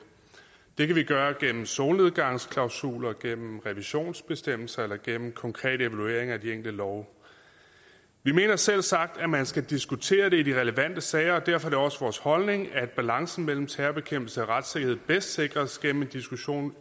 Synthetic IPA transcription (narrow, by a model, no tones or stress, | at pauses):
d̥e̝kʰæʋiɡ̥ɶːɐɡ̥en̰m̩soːlne̝ð̞ˠɡ̥ɑ̈ŋ̰skʰlɑ̈ʊsṵːlɐɡ̥en̰m̩ʁɛʋiɕo̝̰ːnsb̥e̝sd̥em̰l̩sɐelɐɡ̥en̰m̩kʰɒ̽ŋkʰʁɛ̰ːɾəe̝ʋælue̝ɐ̰e̝ŋæd̥ieŋ̰ɡ̥l̩d̥əlɒʊ | ʋime̝ːnɐsel̰sɑ̈ɡ̥̚d̥æmænsɡ̥æd̥isɡ̥ut͡sʰe̝̰ːɐɾe̝idiʁɛləʋæn̰d̥əsɛɪɐɒ̽d̥æɐ̰fɒɾ̥eɒ̽səʋɒːshɒ̽lne̝ŋæɐd̥̚b̥ælɑ̈ŋsn̩mel̰m̩t͡sʰæːɐb̥e̝kʰem̰b̥l̩səɒʁad̥se̝ɡ̥ɐhe̝ð̰̩ˠb̥esd̥se̝ɡ̥ʁɐsɡ̥en̰m̩end̥isɡ̥uɕo̝̰ːn